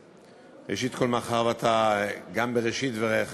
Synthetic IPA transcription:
ʁeʃit̪ko̞lmaχaʁvat̪ʰaɡambeʁeʃit̪veʁe

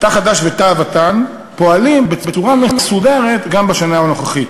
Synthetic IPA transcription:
t̪aχadaʃvetavatan | po̞alimbebet͡suʁamemesudeʁet̪ɡambaʃanaano̞χaχit

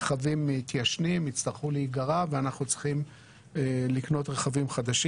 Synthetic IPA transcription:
eχavimit̪jaʃnimit͡st̪aʁχuleiɡaʁaveanaχnut͡sχim | likno̞t̪ʁeχavimχad̪aʃ

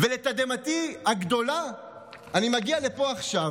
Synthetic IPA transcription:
velet̪ad̪emat̪ihaɡd̪o̞la | animaɡialepo̞aχʃav

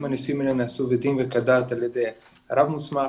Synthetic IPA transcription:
manisiminenaːsuved̪imvekad̪at̪aljed̪ej | ɾavmusma

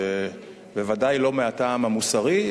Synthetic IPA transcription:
e | bevadajlo̞meataːmamusaʁi

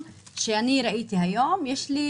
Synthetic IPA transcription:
ʃaniːɾˤɑʔiːt̪iɦajoːmjɪʃli

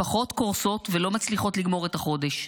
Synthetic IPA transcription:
aχo̞t̪koʁso̞tvelo̞mat͡sliχo̞tliɡmo̞ʁetaχo̞de̞ʃ

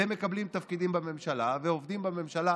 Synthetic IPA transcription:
emːe̞kablimt̪afkid̪imbame̞mʃalaveovd̪imbame̞mʃala

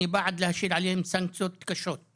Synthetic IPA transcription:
ibaʕd̪lahaʃiːɾʕaleːhʊmsaŋksot̪ːkaʃoːt̪̚

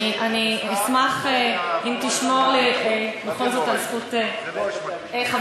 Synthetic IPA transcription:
ʔaniismaχeimt̪iʃmo̞ʁliebeχolzotalsχute | eχa

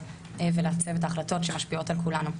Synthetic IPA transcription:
veleat͡se̞vet̬aːχlato̞tʃe̞maʃpio̞talkulanu

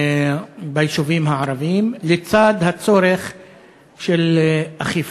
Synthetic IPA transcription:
baiʃuvimɦaʕaɾavimlet͡sad̪hat͡so̞ɾeχ | ʃelaχif

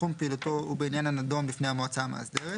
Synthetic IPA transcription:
umpeilut̪oubeinjananad̪omlifnejamoat͡sama̰zd̪ee

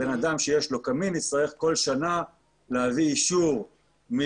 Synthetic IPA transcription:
enad̪amʃejeʃlo̞kaminisaʁeχko̞lʃana | lehaviːʃuʁ | mi

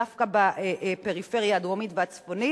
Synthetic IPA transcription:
afkabaeʔpe̞ʁife̞ʁjaːd̪womitveat͡sfo̞ni

